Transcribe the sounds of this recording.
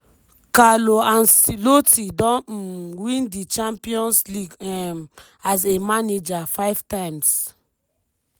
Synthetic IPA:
kaloãnsilotidɔ̃nwĩndit͡ʃãmpiɔ̃nsliɡm | azemaned͡ʒafaɪv̥tãjms

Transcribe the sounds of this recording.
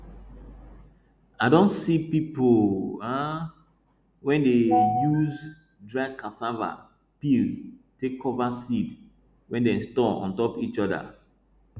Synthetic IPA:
aɪdɔ̃nsipipoa | wɛ̃ndejuz | dɹakasava̰ | pilztekʰːɔvasid | wɛ̃ndɛ̃stɔɔ̰̃ntɔpit͡ʃɔda̰

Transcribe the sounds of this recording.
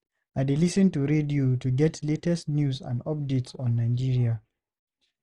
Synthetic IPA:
aɪdelisə̃ntuɹedijotuɡɛtʰletɛstnjusã̰ndɔp̚detsɔ̃nːaɪd͡ʒiɹia

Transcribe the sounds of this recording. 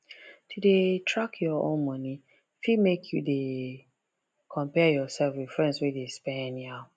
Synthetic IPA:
tʰudetʰɹakʰjɔõ̰nmɔ̃ni | fimekʰjṵde | kʰɔ̃mpɛjɔsɛlfifɹɛ̃nswɛdespɛ̃nja

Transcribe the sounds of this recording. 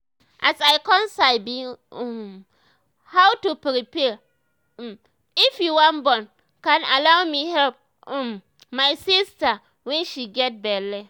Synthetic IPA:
ʔasaɪkɔ̃nsaɪbi | hawtupɾipɛ | ɪfjuwãnbɔ̃n | kãnalawmihɛlp̩̚ | m | maɪsista | wɛ̃nʃiɡɛt̚bɛlɛ

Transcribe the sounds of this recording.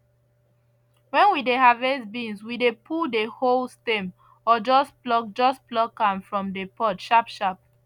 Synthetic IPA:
wɛ̃nwideɦavɛsbĩnswidepʰudeholstẽm | ɔd͡ʒɔsplɔk̚d͡ʒɔsplɔkãmfɹɔ̃mdepɔtʃapʃap̚

